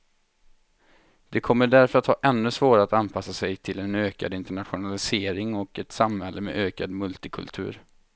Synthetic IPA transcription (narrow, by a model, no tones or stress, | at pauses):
d̪̥ɛkʰɔmːəɖæɾfœɾat̪hɑːʔɛnːɵsvoːɾaat̪anpʰasːasɛjt̪ʰɪlɛnøːka̰d̪ɪnt̪əɳat̪ɧʊnalɪseːɾɪŋɔkɛt̪samhɛlːəmɛ̰ʔøːkad̪mɵlt̪ɪkʰɵ̰lt̪ʰʉ̟̰ːɾ